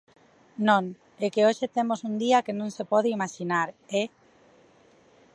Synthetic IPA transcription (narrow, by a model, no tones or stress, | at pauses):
nõŋ | ekeoʃet̪emosund̪iakenõŋsepɔð̞eimaʃinaɾe